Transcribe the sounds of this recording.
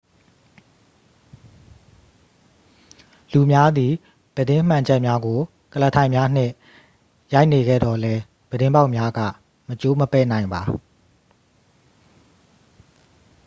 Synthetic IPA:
lu˨mja˦d̪i˨ | b̥ədɪ̃˦m̥ã˨d͡ʑɛ˦ʔmja˦ɡo˨ | kələ˨tʰã˨ɪ̃mja˦n̥ɪ̰̃˦˨ | ja˦ɪʔne˨ɡɛ̰˦˨d̪ɔ˨lɛ˦ | b̥ədɪ̃˦mba˦ʊʔmja˦ɡä̰˦˨ | mət͡ɕo˦məpɛ̰˦˨nã˨ɪ̃mba˨

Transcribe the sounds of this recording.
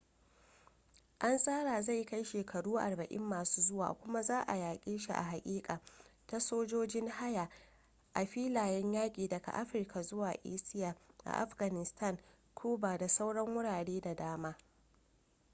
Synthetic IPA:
ʔa˦nsʼaː˦ɽaː˨za˦˨jka˦jʃeː˨kʰɐ˨ɽuː˦ʔa̰˨rbɐ˨ʔɪ̰˦mːaː˨suː˦zʊ˦wa̰ː˨kʷʊ˦ma˦zaː˦ʔa̰˨jaː˨kʲʼeː˦ʃḭ˨ʔa̰˨ɦa˨kʲʼiː˦kʼaː˨ta˦soː˦d͡ʒoː˦d͡ʒɪ˦ŋha˦ja˨ | ʔa˨ɸiː˦laː˨jɛ˦ɲjaː˦kʲʼiː˨dɐ˨ɡa̰˨ʔa˦ɸɪ˨rka˨zʊ˦waː˨ʔḛː˦sɪ˦jaː˨ʔa̰˨ʔa̰˦ɸɡa˨nɪ˨stʰɐ˦˨ŋ | kʰuː˦baː˨da˨sa˦wɽɐ˦ŋwʊ˦ɽaː˨ɽeː˦da˨daː˦maː˦

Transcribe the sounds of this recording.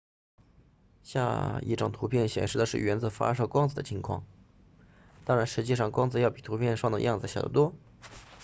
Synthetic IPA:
ɕja̰˥˧ḭ˥˩ʈ͡ʂʊ˨˩ŋt̪ʰu˧˥pʰjɛ˥˩nɕjɛ̰˨˩nʂɻ̩˥˩d̪ə˩ʂɻ̩˥˩ɥɛ˧˥nt͡sɹ̩˧˨˩fa̰˥ʂɤ˥kwɑ˥ŋd͡z̩˨˩d̪ə˩t͡ɕʰi˧˥ŋkʰwɑ̰˥˩ŋ | t̪ɑ˥ŋɻa˧˥nʂɻ̩˧˥t͡ɕi˥˧ʂɑ˥˩ŋkwɑ˥ŋd͡zɹ̩˧jɑ˥˩ʊpi˨˩t̪ʰu˧˥pʰjɛ˥˧nʂwɑ˥˩ŋd̪ə̰˧jɑ˥˩ŋd͡zɹ̩˩ɕjɑ˨˩˥t̪wɔ˥

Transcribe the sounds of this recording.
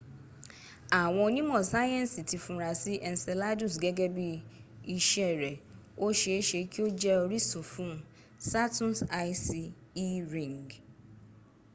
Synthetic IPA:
a˨wɔ̃˨˦nĩ˦mɔ̃˨sa˦jɛ̃˦n˦si˨tʰi˨fũ˨ɾa˨sɪ˦ʔɛ˨n̩˨sɛ˨la˦du˨s̬ɡɛ˦ɡɛ˦bi˦i˦ʃɛ˦˨ɾɛ˨ | o˦ʃɛ˨e˦ʃe˨˦kʰi˦o˦d͡ʒɛ˦o˨ɾi˦sʊ̃˨fũ˦˨ | sa˦tʰũ˦nsa˦jsi˨ | i˦ɾĩ˨ŋɡ

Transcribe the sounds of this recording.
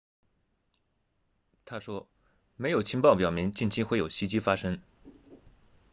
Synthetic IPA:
t̪ʰa˥ʂwɔ˥ | me˧˥ɪjo˨˩t͡ɕʰi˥ŋpɑ˥˩ʊpjɑ˨˩ʊmi˧˥ŋt͡ɕi˥˩nt͡ɕʰi˥xwe˥˩ɪjo˨˩ʊɕi˧˥t͡ɕi˥fa˥ʂɤ˥ŋ

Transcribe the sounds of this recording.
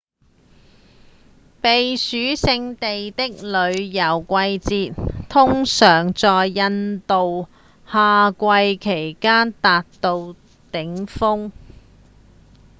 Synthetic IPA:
pe˨jsyː˨˥sɪ˧ŋt̪e˨jt̪ɪ˥k̚lɵ˨˧ɥjɐ˨˩wkʷɐ˧jt͡siː˨˧t̚t̪ʰʊ˥ŋsœː˨˩ŋt͡sɔː˨jːɐ˧nt̪o˨w | haː˨˧kʷɐ˧jkʰe˨˩jkaː˥nt̪aː˨t̚t̪o˧w | t̪ɪ˨˥ŋfʊ˥ŋ

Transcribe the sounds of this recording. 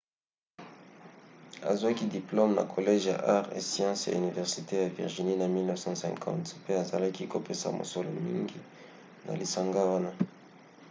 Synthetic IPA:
a˨zwa˦ki˦di˨plo˦mna̰˨kʰo˨lɛ˦ʒja̰˨ʔa˦ʁḛ˨sjɑ̃˦sja̰˨y˨ni˨vɛ˨ʁsi˨te˦ja˨vḭ˨ʁʒi˨ni˦na˨mi˦lnə˦vsɑ̃˦sɛ̰̃ŋkʰɑ̰̃˦ntpe˦a˨za˨la˦ki˦ko˨pe˦sa̰˨mo̰˨so˨lo˨mi˦ŋɡi˦ | na̰˨li˨sa˨ŋɡa˦wa˦na˦

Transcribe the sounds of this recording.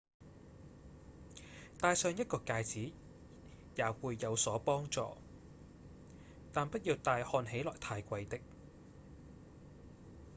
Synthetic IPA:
t̪aː˧jsœː˨˧ŋjɐ˥t̚kɔː˧kaː˧jt͡siː˨˥ | jaː˨wuː˨˧jːɐ˨˧wsɔː˨˥pɔː˥ŋt͡sɔ̰ː˧ | t̪aː˨npɐ˥t̚jiː˧wt̪aː˧jhɔː˧nɦe˨˥jlɔ̰ː˨jt̪ʰaː˧jkʷɐ˧jt̪ɪ˥k̚

